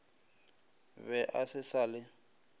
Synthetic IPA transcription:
βɛʔasɪsalɪ

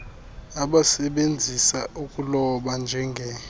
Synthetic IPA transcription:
aɓasɛɓend͡zʱisaʔukʼulɔɓand͡ʒʱɛŋɡʱɛ

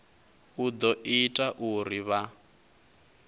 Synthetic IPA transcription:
ud̪ɔʔitʼaʔuɾiβa

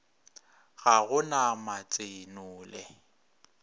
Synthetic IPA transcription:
ɣaɣʊnamat͡sʼenʊːlɛ

